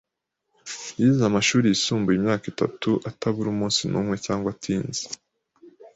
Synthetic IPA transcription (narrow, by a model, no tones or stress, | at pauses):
jizamaʃuːɾijisuːmbujimɲaːkita̰tuʔatʰaβuɾumũːnsinʔṵmŋe̞caːŋɡwatʰiːnze̥